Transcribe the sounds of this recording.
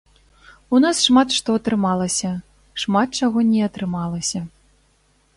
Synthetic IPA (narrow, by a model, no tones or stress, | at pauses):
unasʂmat̪ʂt̪ɔɐt̪ɾɨmalˠɐsʲɐ | ʂmat̪̚t͡ʂaɣɔnʲɛɐt̪ɾɨmalˠɐsʲɐ